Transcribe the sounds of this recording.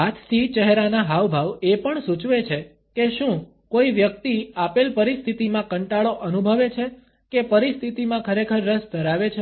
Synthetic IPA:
ɦat̪ʰt̪ʰit͡ʃəɦɾanaɦaʋbʱaʋepəɳsut͡ʃʋet͡ʃʰe | keʃũ | koiʋjək̚t̪iapelpəɾist̪ʰit̪imãkəɳʈaɭoʔənubʱəʋet͡ʃʰe | kepəɾist̪ʰit̪imãkʰəɾekʰəɾːəsd̪əɾaʋet͡ʃʰe

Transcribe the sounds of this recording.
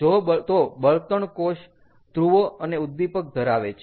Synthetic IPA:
d͡ʒoət̪obəlt̪əɳkoʃ | t̪ɾuʋoəneud̪ːipək̚d̪ʱəɾaʋet͡ʃʰ

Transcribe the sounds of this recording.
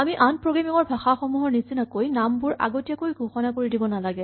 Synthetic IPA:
amiʔanpɹoɡɹamiŋɔɹbʱaxaxɔmuɦɔɹnisinakojnambuɹa̰ɡotijakojɡʱoxɔnakoɹidibɔnalaɡɛ

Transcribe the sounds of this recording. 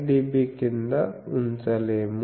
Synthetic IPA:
ɖibikind̪ɐunt͡ʃɐleːm

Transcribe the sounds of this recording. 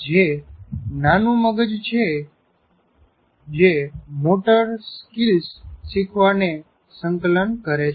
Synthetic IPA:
d͡ʒe | nanũməɡəd͡ʒt͡ʃʰe | d͡ʒemoʈəɾskilsːikʰʋane | səŋklənkəɾet͡ʃʰ

